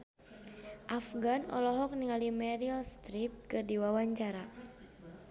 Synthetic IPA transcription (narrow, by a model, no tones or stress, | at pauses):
ʔafɡanɔ̰lɔɦɔk̚niŋalimɛɾilst̪ɾip̚kɨrdiwawaɲt͡ʃaɾa